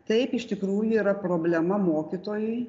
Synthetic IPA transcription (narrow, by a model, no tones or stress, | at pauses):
t̪ɛɪpɪʃt̪ʲɪkɾuːjuiːɾɐpɾoːbʲlʲɛmɐmoːkʲit̪oːjʊɪ